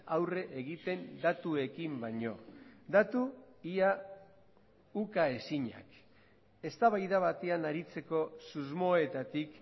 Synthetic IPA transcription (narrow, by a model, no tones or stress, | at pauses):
awre̞ʔeɣ̞it̪e̞nd̪at̪ue̞kimbaɲo̞d̪at̪uia | ukae̞siɲa̰k | e̞st̪aβajðaβ̞at̪e̞anaɾit͡se̞ko̞suzmo̞e̞t̪at̪ik